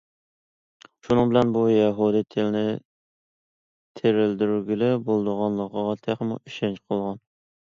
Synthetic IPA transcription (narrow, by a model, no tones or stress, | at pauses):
ʃunɨŋbɪlɛnbujɛɦud̪ɨt̪ʰɪlɪnɪ | t̪ʰeɾɪld̪yɾɡʲilɪbolˠd̪əʁɑnlˠəqʰɑʁɑt̪ʰeχmṵiʃɛnt͡ʃqʰolˠʁɑn